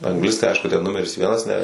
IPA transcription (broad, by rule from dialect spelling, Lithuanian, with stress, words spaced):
ɐŋɡˈlʲɪstɐɪ ˈɐɪʃkʊ tʲɛn ˈnʊmʲɛrʲɪs ˈʋʲiɛnɐs nʲɛ